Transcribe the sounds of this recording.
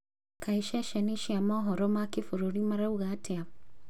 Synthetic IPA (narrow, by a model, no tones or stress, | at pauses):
kʰaiʃaʃɛniʃiamaɦɔɾɔmakifuɾuɾimaɾauɣatʰɛa